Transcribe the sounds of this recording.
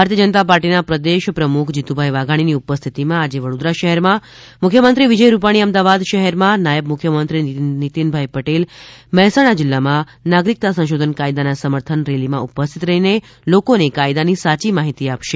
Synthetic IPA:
bʱaɾt̪iəd͡ʒənət̪apaɾʈinapɾəd̪eʃpɾəmukʰd͡ʒit̪ubʱaiʋaɡʱaɽ̃iniupəst̪ʰit̪imãad͡ʒeʋəɽõd̪ɾaʃəɦɛɾmã | mʊkʰjəmənt̪ɾiʋid͡ʒəjɾupaɽ̃iəmd̪aʋad̪ʃəɦɛɾmãnajəbmʊkʰjəmənt̪ɾinit̪inbʱaipəʈelmɛɦɛsaɽ̃ad͡ʒɪlːamã | naɡɾik̚t̪asə̃ʃod̪ʱənkaid̪anasəməɾt̪ʰənɾelimãupəst̪ʰit̪ɾəɦine | lokonekaid̪anisat͡ʃimaɦit̪iapʃe

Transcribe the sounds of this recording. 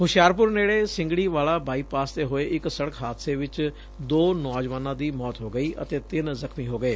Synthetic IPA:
ɦʊʃjaːɾpʊɾneːɽeːsɪ̃ŋɡɽiːʋaːlaːbʱaːiːpaːst̪eːɦoːeːʔɪksəɽəkʰɦaːd̪seːʋɪt͡ʃ | d̪oːnɔːd͡ʒʋaːnãːd̪iːmɔːt̪ɦoːɡəiːʔə̰t̪eːt̪ɪnzəkʰmiːɦoːɡəeː

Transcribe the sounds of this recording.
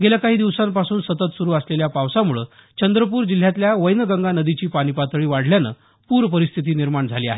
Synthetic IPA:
ɡelakaɦiːd̪iʋsampasuːnsət̪ət̪suɾuːəsleljapaʋsamuɭəː | t͡ɕənd̪ɾəp̬uːɾd͡ʑil̤jat̪ljaʋəjnəɡəŋɡanəd̪it͡ɕiːpaɽ̃ipat̪ɭiːʋaɽ̤ljanə̰ː | puːɾpəɾist̪ʰit̪̬iːniɾmaɳd͡zʱaliːa̰ɦe

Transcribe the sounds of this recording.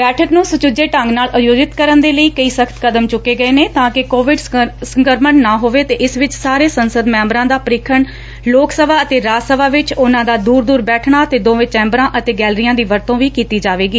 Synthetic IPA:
bɛːʈʰəknũːsʊt͡ʃʊd͡ʒeːʈəŋɡnaːlʔʊjoːd͡ʒɪt̪kəɾənd̪eːləiːkəiːsəkʰət̪kəd̪əmt͡ʃʊkːeːɡəeːneːt̪ãːkɪkoːʋɪɖsəŋkəɾməɳːaːɦoːʋeːt̪eːʔɪsʋɪt͡ʃsaːɾeːsənsəd̪mɛ̃ːmbɾãːd̪aːpəɾɪkʰəɳ | loːksəʋaːət̪eːɾaːsəʋaːʋɪt͡ʃʊnãːd̪aːd̪uːɾd̪uːɾbɛːʈʰɳaːət̪eːd̪õːʋẽːt͡ʃɛ̃ːmbɾãːʔət̪eːɡɛːlɾijãːd̪iːʋəɾt̪õːʋiːkiːt̪iːd͡ʒaːʋeːɡiː

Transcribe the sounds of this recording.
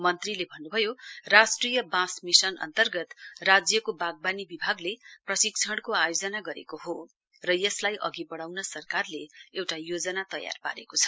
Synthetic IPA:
mʌnt̪rilebʱʌnːubʱʌjorasʈrijʌbãsmisʌnʌ̰nt̪ʌrɡʌt̪rad͡zjʌkobaɡ̚banibibʱaɡleprʌsikt͡sʰʌɽkoajod͡zʌnaɡʌɾḛkoɦo | rʌjʌslajʔʌ̰ɡibʌɽawnʌsʌrkarleewʈajod͡zʌnat̪ʌja̰rpa̰ɾḛkot͡sʰʌ̥

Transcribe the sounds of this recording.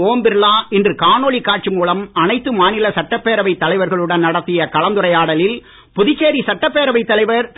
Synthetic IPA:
oːmbɪɾlaːɪndrɯkaːnoːɭikːaːʈ̚t͡ʃimuːlɐmɐnɐɪt̪ːɯmaːnɪlɐsɐʈːɐpːeːɾɐʋɐɪt̪ːɐlɐɪʋɐɾɣɐɭɯɽɐnnɐɽɐt̪ːɪjɐkɐlɐnd̪ɯrɐjaːɽɐlɪl | pʊðɪt͡ʃːeːɾisɐʈːɐpːeːɾɐʋɐɪt̪ːɐlɐɪʋɐɾt̪

